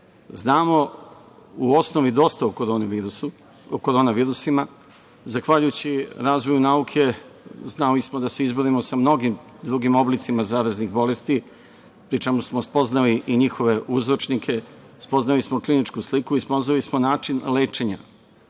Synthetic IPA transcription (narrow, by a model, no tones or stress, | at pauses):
znaːmo̞ | uo̞snoʋid̪o̞st̪aukɾo | okoɾonaʋiːɾusima | zaxʋaʎujut͡ɕiɾaːzʋojunaukʰe̞znalismod̪ase̞izboɾimosamno̞ɡim | d̪ɾuɡimo̞blit̪simazaːɾaznixbo̞le̞st̪i | pɾit͡ʃe̞musmospo̞znaliʔiɲixo̞ʋe̞ʔuzɾo̞t͡ʃnikʰe̞ | spo̞znalismoklinit͡ʃkuslikuispo̞znalismonaːt͡ʃinleːt͡ʃe̞ɲa̰